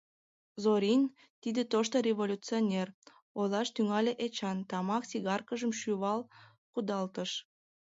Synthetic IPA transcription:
zoɾʲinʲ | t̪id̪et̪oʃt̪orʲeβolʲut͡sionʲer | olɑʃt̪yŋɑlʲeʔet͡ɕɑnt̪ɑmɑksiɣɑrkəʒəmʃyβɑlˠ | kud̪ɑlt̪əʃ

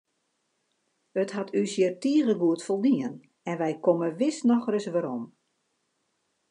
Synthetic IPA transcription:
əthatʰysjɪərtiəɣəɡuətfolˠdiən | ɛnʋɛjkoməʋɪsnɔxrəsʋaɾom

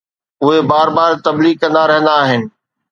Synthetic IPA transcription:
ʊɦebaːɾbaːɾt̪ɐbliːɡ̚kɐ̃nd̪aɾɐɦə̃nd̪aːɦɪnɪ̆

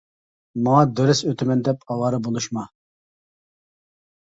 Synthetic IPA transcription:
mɑŋɑd̪øɾɪsøt̪ʰɪmɛnd̪ɛpɑwɑɾɨbolˠuʃmɑ

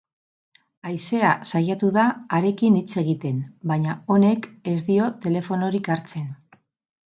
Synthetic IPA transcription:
ajse̞asajat̪uðaːɾe̞kinit͡se̞ɣ̞it̪e̞nbaɲao̞ne̞ke̞zd̪io̞t̪e̞le̞fo̞no̞ɾikaɾt͡se̞n

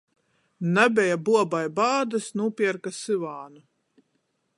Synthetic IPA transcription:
nabʲɛjabuɔbajbaːd̪ɨsnuːpiɛɾkasɨvaːnu

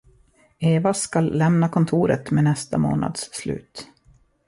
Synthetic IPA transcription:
eːvaskalːɛmnakʰɔnt̪ʰuːɾə̰t̪meːnɛst̪amo̰ːna̰d̪sːlʉ̟̰ːt̪

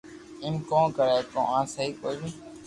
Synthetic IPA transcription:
ɪ̃ːmkõːkəɾaːt̪õ̰ːãːsəɦiːkoːlĩː

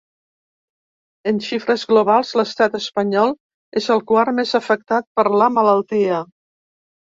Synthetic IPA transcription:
ənʃifɾəzɣluβalˠzləst̪at̪əspəɲɔlˠ | ezəlˠkwaɾmezəfək̚t̪at̪̚pəɾləmələlˠt̪iə

